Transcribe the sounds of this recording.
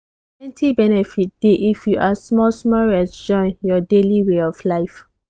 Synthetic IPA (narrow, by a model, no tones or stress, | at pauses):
ɛ̃ntʰibɛnɛfit̚d̥eʔifjuʔasmɔsmɔɹɛsd͡ʒɔ̃ɪ̃njɔdeliweɔflaɪf